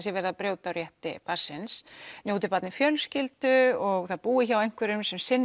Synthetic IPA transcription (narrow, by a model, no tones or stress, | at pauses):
sjɛvɛɾðapɾjoːwt̪awɾjɛht̪ɪ̰paɾ̥sɪnsnjouwt̪ɪpat̪nɪfjœːlscɪlt̪ʏɔɣθaðpuːɪçawejn̥kʰvɛɾʏmsɛmsɪnː